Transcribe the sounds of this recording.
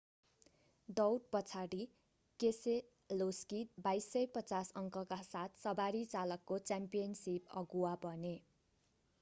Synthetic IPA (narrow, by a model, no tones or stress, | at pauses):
dʌwʈ̚pʌt͡sʰaɽi | kese | loskit̪̚bajsʌjpʌt͡sasʌŋkʌkasat̪ʰsʌbaɾit͡salʌkːot͡sampijʌnsipʌ̰ɡuwabʱʌne